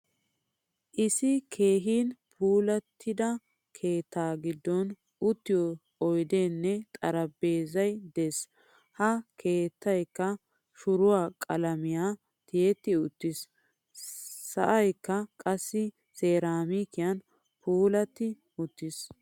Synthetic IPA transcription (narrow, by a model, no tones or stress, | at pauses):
ʔɪsɪkʰeːɦiːnpʰuːlɐt̪ʰːɪd̪ɐ | kʰe̞ːt̪ːaːɡɪd̪ːɔn | ʊt̪ːɪjɔ | ɔjd̪eːnːɛt̪ʼɐɾɐbe̞ːzɐjd̪es | hɐkʰe̞ːt̪ːɐjkːɐ | ʃʊɾʊwaːkʼɐlɐmɪjaː | t̪ɪjɛt̪ːɪʊt̪ːɪs | sɐʔɐjkːɐkʼɐsːɪ | seːɾaːmiːkɪjɐn | puːlɐt̪ːɪ | ʊt̪ːɪs